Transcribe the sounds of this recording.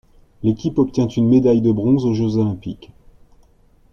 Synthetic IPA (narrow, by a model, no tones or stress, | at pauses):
lekʲipɔp̚t̪jɛ̃t̪ynmed̪ajd̪əbʁɔ̃zoʒøzolɛ̃pik